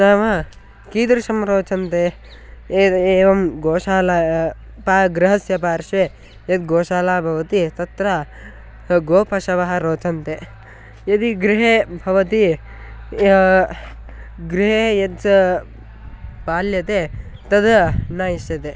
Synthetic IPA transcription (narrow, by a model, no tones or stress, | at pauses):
naːʋɐ | kiːd̪ɐɾʃɐmɾoːt͡ʃɐnt̪eː | eːʋɐmɡoːʃaːla | paːɡɾɪɦɐsjɐpaːɾʃʋeː | jɐd̪ɡoːʃaːlaːbʱɐʋɐt̪it̪ɐt̪ɾɐ | ɡoːpʰɐʃɐʋɐɦɐ̆ɾoːt͡ʃɐnt̪eː | jɐd̪iɡɾiɦeːbʱɐʋɐt̪i | ɡɾiɦeːjɐt̪ | paːljɐt̪eː | t̪ɐd̪ɐnaːjiʃjɐt̪e